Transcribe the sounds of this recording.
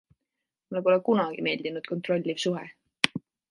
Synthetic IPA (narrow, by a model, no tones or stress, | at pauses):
mulepolekunɑɡ̥ime̞ːld̪inud̪̥ko̞nt̪ro̞lʲːivsuɦɛ̰